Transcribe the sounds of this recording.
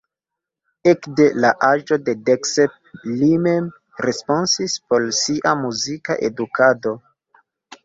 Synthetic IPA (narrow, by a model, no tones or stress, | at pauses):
ekde̞laʔad͡ʒo̞de̞deksep̚lime̞m | ɾespo̞nsispo̞lsiʔamuzika̰ʔe̞̰dukado̞